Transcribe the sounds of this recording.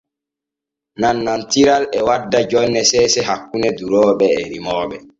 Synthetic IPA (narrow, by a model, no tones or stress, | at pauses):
nanːantiɾalɛwadːad͡ʒɔnːɛsɛːsɛhakːunɛduɾɔːɓɛɛɾimɔːɓɛ